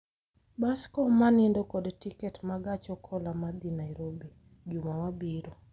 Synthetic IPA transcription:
baskɔmanɪndɔkɔdtikɛtmaɡat͡ʃɔkʰɔlamad̪inajɾobi | d͡ʒumawabiɾo

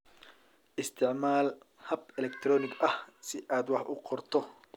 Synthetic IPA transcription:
ʔɪst̪ʰɪʕmaːl | hɐbɛlɛkt̪ʰɾɔːnɪɡɐhsɪʔaːd̪wɑħʔʊqɔrt̪ʰɔ

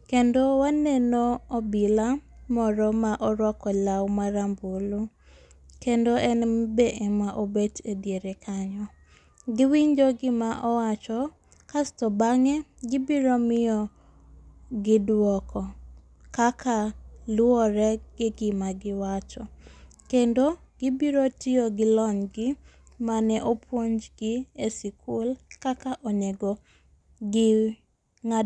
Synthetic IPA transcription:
kendowanenoɔbilamɔɾɔmaʔɔɾwɔkɔlawmaɾambulu | kendoʔɛnbeʔɛmaʔobetedjeɾekʰaɲɔ | ɡɪwiɲd͡ʒoɡɪmaʔɔwat͡ʃɔ | kastɔbaŋɛɡɪbiɾɔmɪjɔ | ɡɪdwɔkʰɔ | kakʰalwɔɾɛɡ̥ɪɡɪmaɡɪwat͡ʃɔ | kendo | ɡ̥ɪbiɾotioɡɪlɔɲɡɪ | manɛʔopwoɲd͡ʒɡɪesɪkʰulkakaʔɔɲeɡɔ | ɡɪ | ŋa

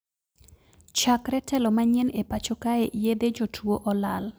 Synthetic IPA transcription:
t͡ʃakɾɛtɛlɔmaɲɛnepat͡ʃokaeʔjed̪ed͡ʒotʰwoʔɔlal

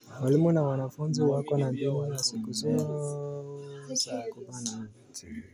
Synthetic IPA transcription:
walimunawanafunziwakɔnambimɔjasikuzɔ | zakɔbana

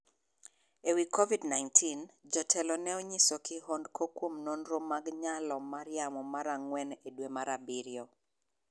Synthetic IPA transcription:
ewikʰɔvidnaɪntʰind͡ʒɔtʰɛlɔnɛɔɲisɔkɪɦɔndkʰokwomnonɾomaɡɲalɔmaɾɪjamɔmaɾaŋwɛnedwemaɾabiɾjɔ

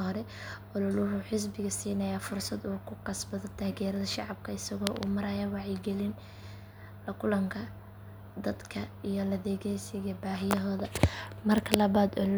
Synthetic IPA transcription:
hɔɾɛʔɔlɐlʊɦʊħɪs̬bɪɣɐsiːnɐjafʊrsɐd̪uːkʰʊqɑsbɐðɔt̪ʰaːɣɛːɾɐðɐʃɑʕɑb̚kʰɐɪsɐɣɔːʔṵmɐɾɐjɐwɑʕjɪɡɛlɪn | lɐkʰʊlɐŋkʰɐ | d̪ɐd̪kʰɐijɔlɐðɛːɣɛjsɪɣɐbaːɦɪjɐɦɔːðɐmɐrkʰɐlɐβaːd̪ɔl

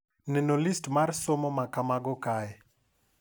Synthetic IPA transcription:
nɛnolistmarsomɔmakamaɡɔkaɛ

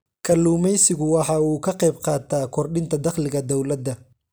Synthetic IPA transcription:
kʰɐlːuːmɛjsɪɣʊwɑħɑːuːkʰɐqɛjbqɑːt̪ʰaːkʰɔrɖɪnt̪ʰɐd̪ɐχlɪɣɐd̪ɔwlɐd̪ːɐ

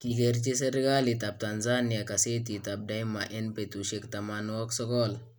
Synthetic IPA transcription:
kiɡeɾt͡ɕesəɾɡalit̪ap̚t̪and͡zanjakaset̪it̪ap̚dãjmaʔenpet̪uɕekt̪ɐmanwɔksɔkɔl

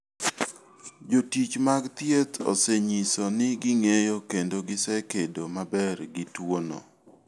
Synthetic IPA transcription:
d͡ʒotit͡ʃmaɡt̪jet̪o̰sɛɲisɔnɪɡɪŋejokendoɡɪsɛkedomabɛrɡɪtwono̰

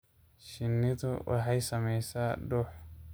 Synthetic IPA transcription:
ʃɪnːɪðʊwʔɑ̰ħɑjsɐmɛjsaːɖɔːħ

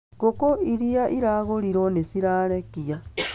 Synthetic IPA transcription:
kokoiɾijaʔiɾaɣoliɾonesiɾalekija

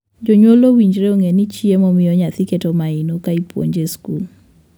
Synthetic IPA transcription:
d͡ʒoɲwolowiɲd͡ʒɾeoŋenit͡ʃiemɔmɪjɔɲat̪iketomaɪnokaipwo̰ɲd͡ʒeskul

